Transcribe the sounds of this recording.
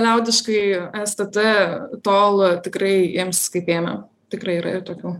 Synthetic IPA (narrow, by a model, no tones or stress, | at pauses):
lʲɛʊd̪ʲɪʃkɐɪɛst̪ɐt̪ɪt̪oːlˠt̪ʲɪkɾɐɪiːmsskɐɪpʲeːnɐ̰ | t̪ʲɪkrɐɪiːɾɐ̰ɪrt̪oːkʲuː